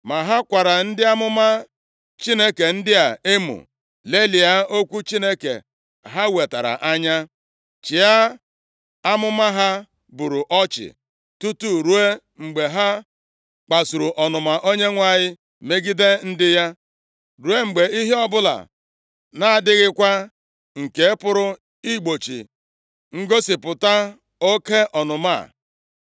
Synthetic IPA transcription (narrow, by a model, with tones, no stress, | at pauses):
ma˨ɦa˦kʷa˨ɾa˨n̩˦dɪ˦a˦mʊ˦ma˦ | t͡ʃi˦ne˦ke˨n̩˦dɪ˦a˨e˦mṵ˨ | le˦li˨a˦o˦kʷu˦t͡ʃi˦ne˦kḛ˨ | ɦa˦we˨ta̰˨ɾa̰˨ʔa˦ɲa˦ | t͡ʃɪ˨a˦ | a˦mʊ˦ma˦ɦa˦ | bu˨ɾu˨ʔɔ˦t͡ʃɪ̰˨ | tu˦tu˦ɾu˦e˦ | ŋ͡m̩˨ɡ͡be˨ɦa˦ | k͡pa˨su˨ɾu˨ʔɔ˨nʊ˨ma˨ʔo˦ɲe˦ŋʷa˦˨ɲɪ˦ | me˦ɡi˦de˦n̩˦dɪ˦ja˦ | ɾu˨e˦ŋ͡m̩˨ɡ͡be˨i˦ɦe˦ɔ˦bʊ˦la̰˨ | na˨a˨dɪ˦ɣɪ˦kʷa˦ | ŋ̩˨ke˦pʊ˦ɾʊ˦ | i˦ɡ͡bo˨t͡ʃḭ˨ | ŋ̩˦ɡo˦sɪ˨pʊ˨ta˦ | o˦ke˦ʔɔ˨nʊ˨ma̰˦˨